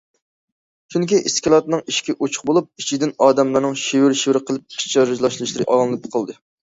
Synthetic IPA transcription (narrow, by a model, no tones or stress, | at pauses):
t͡ʃʰyŋkʲiʔiskʲilˠɑt̪nɨŋiʃkʲɛʔot͡ʃʰʊ̥χbolˠup̚it͡ʃʰid̪ɪnɑːd̪ɛmlˠɑnɨŋʃiwɪɾʃiwɾɨqʰəlˠɪp̚ʰi̥t͡ʃʰɑɾɨʒlˠɑʃlˠɨʃlˠɨɾɨʔɑlˠŋlˠɨpʰqʰɑlˠd̪ɨ